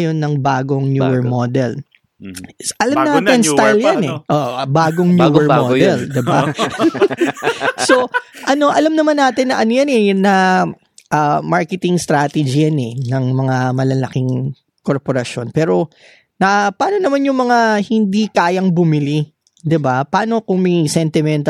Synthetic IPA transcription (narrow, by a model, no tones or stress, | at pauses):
jo̞nːɐŋbaːɡoŋnjṵːɛɹmod̪ɛl | ʔɐlamnaːt̪ɪnsajljanɛʔoʔbaːɡoŋnjuːɛɹmoːɛld̪ɪba | so̞ʔɐno̞ʔɐlɐmnɐmanːaːt̪ɪnːɐʔɐnojɐnɛnɐ | ʔɐmaɹkɛt̪ɪŋst̪ɾat̪ɛd͡ʒijɐnɛnɐŋmɐŋamɐlɐlɐkɪŋ | ko̞ɹpoɾɐʃjo̞npɛːɾo̞ | nɐpaːno̞nɐmanjʊŋmɐŋahɪnd̪ikaːjɐŋbʊmɪli | d̪ɪbapaːno̞kʊŋmɐjsɛnt̪ɪmɛnt̪ɐ